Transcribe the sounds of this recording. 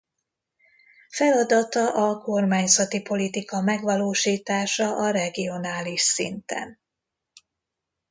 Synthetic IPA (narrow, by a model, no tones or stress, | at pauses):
fɛlɒd̪ɒt̪ɒʔɒko̞rmaːɲzɒt̪ipo̞lit̪ikɒmɛɡʋɒloːʃiːt̪aːʃɒʔɒɾɛɡio̞naːliʃsḭnt̪ɛ̰n